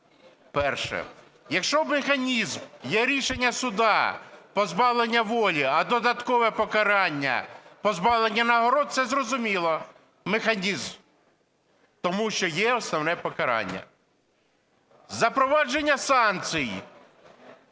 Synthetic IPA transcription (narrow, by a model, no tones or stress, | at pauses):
pɛrʃɛ̰ | jɐkʃt͡ʃɔmexɐnʲizmjɛɾʲiʃenʲːɐsʊd̪ɑpɔzbɑʋlˠenʲːɐʋɔlʲiɐd̪ɔd̪ɐt̪kɔʋɛpɔkɐɾɑnʲːɐ̰pɔzbɑʋlˠenʲːɐnɐɦɔɾɔd̪̚sɛzrɔzʊmʲilˠɔ | mexɐnʲizm | t̪ɔmuʃt͡ʃɔjɛɔsnɔʋnɛpɔkɐɾɑ̰nʲːɐ̰ | zɐpɾɔʋɑd͡ʒenʲːɐsɑnt͡sʲij